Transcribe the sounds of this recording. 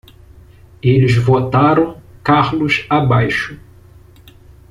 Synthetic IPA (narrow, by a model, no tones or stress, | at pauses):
elɪzvot̪aɾɐ̃w̃kaɾlʊʃabajʃʊ